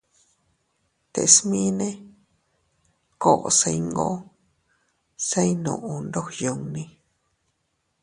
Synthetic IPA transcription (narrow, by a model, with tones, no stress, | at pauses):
t̪ḛ˨˧smĩ˦nẽ˦ | ko˦˨ʔo̰˨sẽ˧jŋɡõ̰˦ | se˦jnõ˧˨ʔõ˨nd̪o˦hjo˨˧ŋnĩ˧